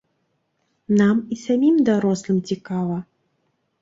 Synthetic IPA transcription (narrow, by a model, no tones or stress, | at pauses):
namisamʲimd̪aɾɔslˠɨmt͡sʲikavɐ